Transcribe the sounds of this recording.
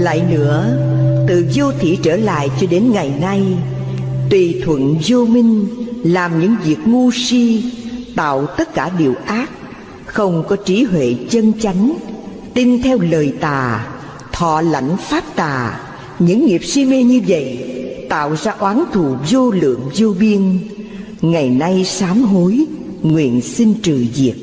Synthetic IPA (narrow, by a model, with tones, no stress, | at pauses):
la̰ː˧˨jnɨ̰˧˥ət̪ɨ˨zo˧t̪ʰi˧˩t͡ɕəː˧˩la̰ː˧˨jt͡ɕɔ˧ɗe˨˦nŋa˨˩jna˧j | t̪wi˨˩t̪ʰwə̰˧˨nzo˧mï˧ŋ̟laː˨˩mɲɨ̰˧˥ŋvi˨˩ək̚ŋu˧si˧t̪a̰ː˧˨wt̪ə˦˥t̚kaː˧˩ɗi˨˩əwʔaː˦˥k̚ | xə˧wŋ͡mkɔ˨˦t͡ɕi˨˦ɦwḛ˧˨t͡ɕə˧nt͡ɕa˨˦jŋ̟ | t̪i˧nt̪ʰɛ˧wləː˨˩jt̪aː˨˩ | t̪ʰɔ̰˧˨la̰˧˨jŋ̟faː˦˥p̚t̪aː˨˩ | ɲɨ̰˧˥ŋːi˨˩əp̚si˧me˧ɲɨ˧və̰˧˨jt̪a̰ː˧˨wzaː˧ʔwaː˨˦nt̪ʰu˧˨zo˧lɨ̰˧˨əŋzo˧ɓi˧ən | ŋa˨˩jna˧jsaː˨˦mɦo˨˦j | ŋwḭ˧˨ənsi˧ŋ̟t͡ɕɨ̰˨˧˩zi˨˩ək̚